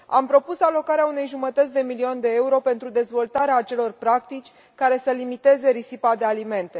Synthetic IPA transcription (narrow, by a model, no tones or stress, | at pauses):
a̰mpɾo̞pusalo̞kaɾeaune̞jʒumət̪ət̪sʲd̪e̞miliond̪e̞euɾo̞pe̞nt̪ɾud̪e̞zvo̞lt̪aɾeaːt͡ʃe̞lo̞rpɾakt̪it͡ʃʲ | kaɾe̞səlimit̪e̞ze̞ɾisipad̪e̞alime̞nt̪e̞